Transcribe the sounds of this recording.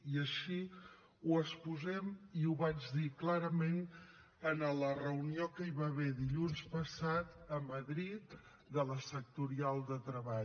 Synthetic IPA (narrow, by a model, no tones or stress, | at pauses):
iəʃi | uəspuzɛmiuβad͡ʒðiklaɾəmen | ənələrəuniokəiβaβeðiʎunspəsat̪əməðɾit̪̚ | d̪ələsək̚t̪uɾialˠd̪ət̪ɾəβaʎ